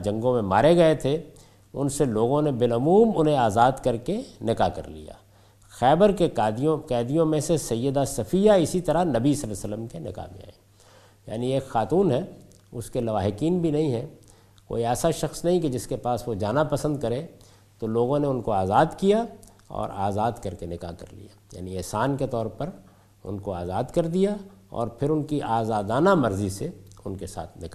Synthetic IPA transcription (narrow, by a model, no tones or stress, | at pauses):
d͡ʒɐ̃ŋɡõmẽma̰ːɾeɡɐet̪ʰe | ʊnseloːɡõnebɪlɐmuːmʊnɦẽaːzaːd̪kɐɾkenɪkakɐ̰ɾlḭja̰ː | xɛːbəɾked̪jõkɛːd̪ijõmẽsesɐjːəd̪asɐfiːjaɪsit̪ɐɾanɐbisɐləsəlːəmkenɪ̰ka̰mḛ̃a̰ːeː | ja̰ːnieːkxaːt̪uːnɦɛ | ʊskelɐʋaːɦɪkiːnbʱinɐɦĩɦɛ̃ | ko̰ːiɛːsaʃɐxsnɐɦĩked͡ʒɪskepaːsʋod͡ʒaːnapɐsə̃nd̪̚kɐɾẽ | t̪oloːɡõneʊnkoaːzaːd̪kija | ɔ̰ːɾaːzaːd̪kɐɾkenɪkakɐ̰ɾlḭjaːja̰ːniɛːsaːnket̪ɔːɾpɐɾ | ʊ̰nkoaːzaːd̪kɐɾd̪ijaɔ̰ːɾpʰɪɾʊnkiʔaːzaːd̪aːnamɐɾziseʊnkesa̰ːt̪ʰnɪka